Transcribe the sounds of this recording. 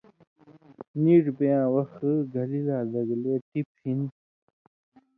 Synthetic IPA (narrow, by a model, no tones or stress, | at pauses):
niʈbejãːwɐxɡɐlilaːd̪ɐɡleːʈiphin